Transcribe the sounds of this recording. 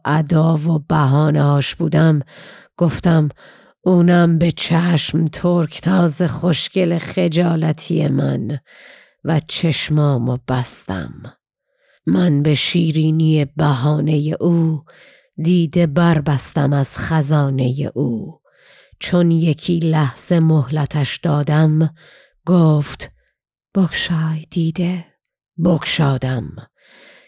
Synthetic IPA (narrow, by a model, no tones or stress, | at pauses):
ʔæd̪ɒːvobæɦɒːneɒːʃb̥uːd̪æmɡ̥oft̪æm | uːnæmbe̞t͡ʃʰæʃmt̪ʰoɾkʰt̪ʰɒːze̞χoʃce̞leχe̞d͡ʒɒːlæt̪ʰijḛmæ̰n | væt͡ʃʰe̞ʃmɒːmob̥æst̪æ̰m | ænbe̞ʃiːɾiːnije̞bæɦɒːne̞je̞ʔuː | d̪iːd̪e̞bæɾbæst̪æmæz̥χæzɒːne̞jḛʔuː | t͡ʃʰonje̞kʰiːlæhz̥e̞mohlæt̪ʰæʃd̪ɒːd̪æm | ɡoːft̪ | b̥okʃɒːjd̪̥iːd̪e | bokʃɒːd̪æm